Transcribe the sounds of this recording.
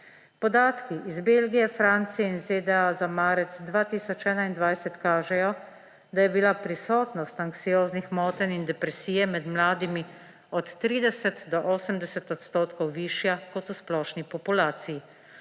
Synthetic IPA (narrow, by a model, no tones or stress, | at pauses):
pɔd̪aːt̪kiʔizbelɡijɛfɾaːnt̪sijɛinzeːd̪ɛazamaːɾɛt̪sd̪ʋaːt̪iːsɔt͡ʃɛːnaind̪ʋajsɛt̪kaːʒɛjɔ | d̪ajɛbilapɾisɔːt̪nɔst̪aŋksijoːznixmɔːt̪ɛnind̪ɛpɾɛsiːjɛmɛd̪mlaːd̪imi | ɔt̪ːɾiːd̪ɛsɛt̪d̪ɔʔoːsəmd̪ɛsɛt̪ɔt̪st̪oːt̪kɔwʋiːʃjakɔt̪usplɔːʃnipɔpulaːt̪siji